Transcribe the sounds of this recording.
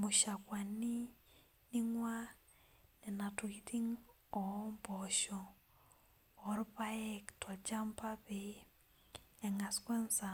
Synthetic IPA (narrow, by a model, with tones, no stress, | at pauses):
mu˨ʃa˨kwa˨ni˦ | ni˦ŋwa˦ | nɛ˨na˨tui˦tiŋ | ɔ˨mbɔʃɔ˨ | ɔɾpa˦jɛ˦ktwa˨t͡ʃampaβe | ɛ˨ŋa˨skwɛ˦nsa˨